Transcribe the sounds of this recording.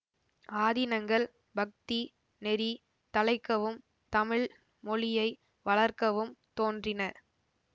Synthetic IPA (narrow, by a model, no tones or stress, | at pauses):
ʔaːðɪnɐŋɡɐɭ | bɐk̚t̪i | nɛɾi | t̪ɐlɐɪkːɐʋɯm | t̪ɐmɪɭ | mɔɭɪjɐɪ | ʋɐɭɐɾkɐʋɯmt̪oːndrɪnɐ